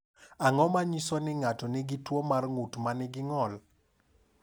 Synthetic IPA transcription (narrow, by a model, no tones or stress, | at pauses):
aŋɔmaɲisɔnɪŋatɔnɪɡɪtwɔmarŋutmanɪɡɪŋɔl